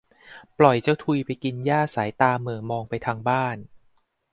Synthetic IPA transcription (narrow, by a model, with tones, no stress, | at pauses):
plɔ˨˩jt͡ɕa˧˥wt̪ʰu˧jpa˧jki˧njaː˥˩saː˩˦jt̪aː˧mɯ˨˩mɔː˧ŋpa˧jt̪ʰaː˧ŋbaː˥˩n